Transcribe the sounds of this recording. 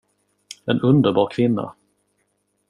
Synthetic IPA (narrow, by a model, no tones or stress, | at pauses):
ɛnɵnd̪əɾbɑːɾkʰvɪnːa̰